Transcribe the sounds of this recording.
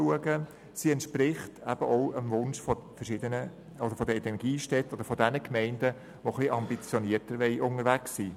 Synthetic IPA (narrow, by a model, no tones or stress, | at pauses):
uəɡə | siɛntʃprɪχtʰæb̥əʔɔʊənʋʊnʃfɔfəɾʃɪdənə | od̪əɾfɔdəidɛnɡ̥iːʃtɛtod̥əɾfɔdɛnəkmɛɪndə | ʋoχliʔɑmbit͡sjɔniːətəɾʋɛɪʔʊŋəɾʋæksːiː